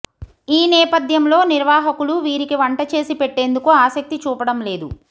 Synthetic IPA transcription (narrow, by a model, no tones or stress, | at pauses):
iːnɛːpɐd̪ʱjɐmlo̞ːniɾʋaːɦɐkuluʋiːɾikiʋɐɳʈɐt͡ʃe̞ːsipeʈːe̞ːnd̪ukuaːsɐk̚t̪it͡ʃuːpɐɽɐmle̞ːd̪u